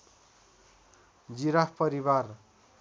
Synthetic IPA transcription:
d͡ziɾappʌɾibar

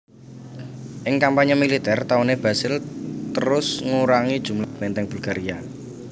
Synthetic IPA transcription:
ʔɪŋkampaɲamilit̪ɛrt̪auneb̥asɪlt̪əɾʊsŋuɾaŋid̥ʒ̥ṳmlab̥ɛnt̪ɛŋb̥ulɡ̥aɾia

